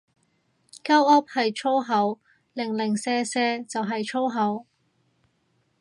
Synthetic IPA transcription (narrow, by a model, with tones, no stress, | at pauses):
kɐ˥wɐ˥p̚hɐ˨jt͡ʃʰo˥wɦɐ˨˥w | lɪ˨˩ŋlɪ˨˩ŋsɛː˧sɛː˧t͡sɐ˨wɦɐ˨jt͡ʃʰo˥wɦɐ˨˥w